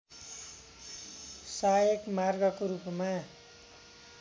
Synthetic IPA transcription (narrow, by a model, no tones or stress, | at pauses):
sajekmarɡʌkoɾupma